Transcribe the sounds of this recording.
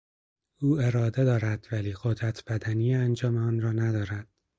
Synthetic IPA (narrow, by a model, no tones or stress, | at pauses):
uːe̞ɾɒːd̪e̞d̪ɒːɾæd̪̥væliːɢod̪ɾæt̪ʰb̥æd̪ænijeænd͡ʒɒːmeɒːnɾɒːnæd̪ɒːɾæd̪̥